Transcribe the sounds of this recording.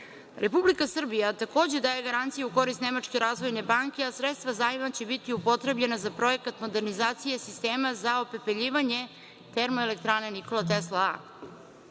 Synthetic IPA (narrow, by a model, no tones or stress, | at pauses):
ɾʔe̞publikasr̩bijat̪ako̞ːd͡ʑe̞d̪aːjeɡaɾant̪sijeuko̞ɾist̪ne̞mat͡ʃke̞ɾaːzʋo̞jne̞baːŋke̞asɾet̪st̪ʋazaimat͡ɕebit̪iupo̞t̪ɾe̞bʎe̞nazapɾo̞je̞kat̪mo̞d̪e̞ɾnizaːt̪sije̞sist̪eːmazao̞pe̞peʎiːʋaɲe̞ | t̪e̞ɾmo̞elek̚t̪ɾaːneniko̞lˠat̪̬eslˠaa̰